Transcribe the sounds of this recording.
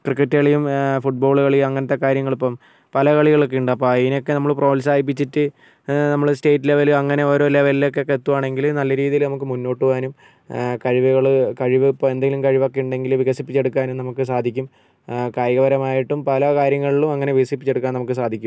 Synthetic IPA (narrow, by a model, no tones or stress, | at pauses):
krɨkːɐtːeɭijumfuʈ̚bo̞ːɭuɣɐɭijumɐŋːɐnɐt̪ːe̞kaːɾjɐŋːɐɭipːɐm | pɐlɐkɐɭiɣɐɭok̬ːeuɳɖɨɐpːoiino̞kːe̞nɐmːɐɭpro̞ːls̬aːjip̬ːit͡ɕːitːɨ | nɐmːɐɭsteːtːileʋɐluɐŋːɐne̞o̞ːɾo̞ːilːeʋɐlilːokːeokːeet̪ːuʋaːɳe̞ŋɡilnɐlːɐɾiːðijilnɐmukːɨmunːo̞ːʈːuʋaːnum | kɐɻiʋuɣɐɭkɐɻiʋɨpːɐme̞nd̪eŋɡilumkɐɻiʋokːejuɳɖe̞ŋɡilʋiɣɐsipːit͡ɕːe̞ɽukːaːnumnɐmukːɨsaːd̪ʱikʲːum | kaːjɣɐʋɐɾɐmaːjiʈːumpɐlɐkaːɾjɐŋːɐɭilumɐŋːɐne̞ʋiɣɐsipːit͡ɕːe̞ɽukːaːnɐmukːɨsaːd̪ʱikʲːum